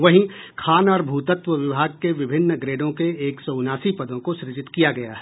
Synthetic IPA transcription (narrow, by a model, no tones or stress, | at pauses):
ʋɐɦĩ | kʰaːnɔːɾbʱuːt̪ət̪ʋəʋɪbʱaːɡ̚keʋɪbʱɪnːəɡɾeːɖõkeeːksɔːʊnaːsipɐd̪õkoʃɾɪd͡ʒɪt̪kijaɡɐja̰ːɦ